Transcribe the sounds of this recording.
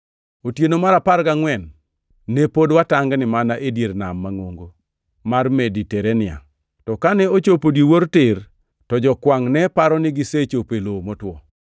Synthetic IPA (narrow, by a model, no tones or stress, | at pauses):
otjenomaɾapaɾɡaŋwɛnː | epodwataŋɡnɪmanaʔedjeɾnamːaŋoŋɡo | marmediteɾenɪa̰ | tɔkanɛot͡ʃopodjiwoɾtɪr | tɔd͡ʒɔkwaŋnɛpaɾɔnɪɡiset͡ʃopelomotwɔ̰